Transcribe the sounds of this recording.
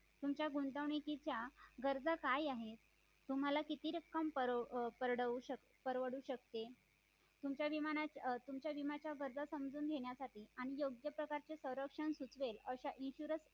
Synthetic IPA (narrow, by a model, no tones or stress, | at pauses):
t̪umt͡ɕjaɡunt̪əʋɳikit͡ɕjaɡəɾd͡zakajaɦet̪ | t̪um̤alakit̪iːɾəkːəmpəɾpəɾɽəuɕə | pəɾʋəɽuːɕək̚t̪e | t̪umt͡ɕjaʋimanat̪umt͡ɕjaʋimat͡ɕjaɡəɾd͡zasəmd͡zuːnɡ̪ʱeɳjasaʈiːaɽ̃ijoɡjəpɾəkaɾt͡ɕesə̃wɾəkʂəɳsut͡sʋeləɕaʔinɕuɾət͡s